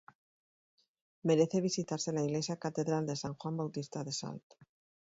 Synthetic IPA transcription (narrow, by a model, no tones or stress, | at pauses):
meɾeθeβ̞isit̪aɾselaiɣlesjakat̪eðɾald̪e̞saŋxwambawt̪ist̪aðesa̰lt̪